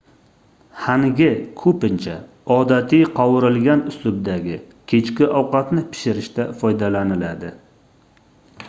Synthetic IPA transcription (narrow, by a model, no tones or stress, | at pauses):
haŋɡʲɪkʰɵpɪnt͡ʃʰa | ɒd̪at̪ʰijqʰɒwɪɾɪlɡʲanʊslʊb̚d̪aɡʲɪ | kʲʰe̞t͡ʃkʲɪʔɒwqɑt̪nɪpʰɪ̥ʃɪɾɪʃt̪afɒjd̪alanɪlad̪ɪ